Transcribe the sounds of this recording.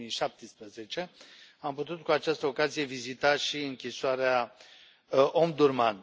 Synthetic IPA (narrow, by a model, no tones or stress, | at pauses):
ijʃap̚t̪ispɾəze̞t͡ʃe̞amput̪ut̪̚kuat͡ʃast̪əo̞kazije̞vizit̪aʃiɨŋkʲisoaɾea | ʔomd̪urman